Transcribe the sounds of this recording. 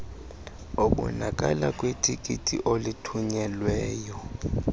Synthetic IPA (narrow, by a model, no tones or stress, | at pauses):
oɓʼṵnak̬ʼalak̬ʼwitʼikʼitʼḭʔolitʰuɲɛlwɛːjɔ